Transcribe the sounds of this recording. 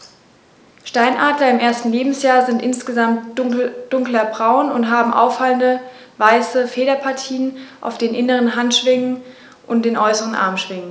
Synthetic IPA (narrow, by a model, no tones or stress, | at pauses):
ʃtaɪnʔaːdlɐɪmʔeːɐstn̩leːbm̩sjaːɐzɪntʔɪnsɡ̥əzamtd̥ʊŋklɐbʁaʊnʊntɦaːbm̩ʔa̰ʊfaləndə | vaɪsəfeːɾɐpʰaɐtʰiːənʔa̰ʊfd̥eːnʔɪnəʁənɦantʃv̥ɪŋən | ʔʊnt̚d̥eːnʔɔʏsəʁənʔa̰ɐmʃv̥ɪŋən